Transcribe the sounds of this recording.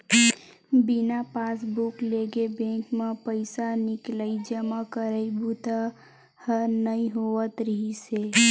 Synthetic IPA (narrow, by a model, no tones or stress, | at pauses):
binapasbukleɡebẽŋkmepəɪsanɪkləid͡ʒəmakəɾəibut̪ə | hənəĩɦoʋət̪ɾəɦise